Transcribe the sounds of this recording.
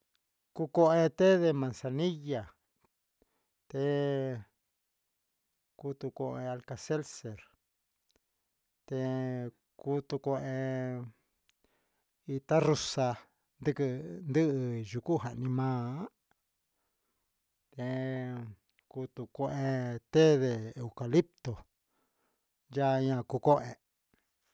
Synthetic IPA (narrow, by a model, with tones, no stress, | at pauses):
ku˧ko˧ẽ˧t̪e˦ðe˧mã˧nsa˧nĩ˦ja˨ | t̪e˧ | ku˧˦t̪u˧ko˧ʔe˧a˧lka˧se˦lse˨ɾ | t̪e˧ | ku˦t̪u˧ko˧ʔẽ˧ | i˧t̪a˦ru˧sa˧ | nd̪ɨ˦˧kɨ˧nd̪ɨ˦ɨ˧ʒu˧ku˦˨ɦa˨ʔnĩ˧mãː˦ | t̪e˧ | ku˧t̪u˧ko˧˦ʔe˧t̪e˦ðe˧e˨u˧ka˧li˦p̚t̪o˨ | ja˦ɲã˧˨ku˧ko˦ʔe˧